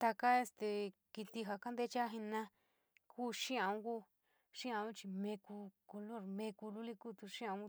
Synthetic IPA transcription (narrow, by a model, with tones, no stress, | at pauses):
t̪a˧ka˦e˧st̪e˧ki˧t̪i˧ɦa˧ka˦nd̪e˦t͡ʃa˦ɦi˧nã˦ | kuː˦ʃĩ˦ã˧ũ˦ku˦ | ʃĩ˦ã˧˦u˦t͡ʃi˧mẽ˧ku˧ko˧lo˦˨ɾmẽ˧ku˧lu˦li˦˧kuː˦˨t̪u˧ʃĩ˦ã˧ũ˦˧